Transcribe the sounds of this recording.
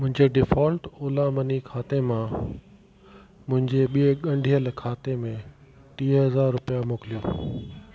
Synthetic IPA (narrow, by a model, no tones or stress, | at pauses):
mʊ̃ɦɪ̃ɲd͡ʑeɖɪfɔːlʈoːlãmɐnikʰaːt̪emã | mʊ̃ɦɪ̃ɲd͡ʑeɓieɠɐ̃ɳɖʱiəlkʰaːt̪emẽ | ʈ̪iːɦɐzaːɾːʊpijamoːkɪlijoː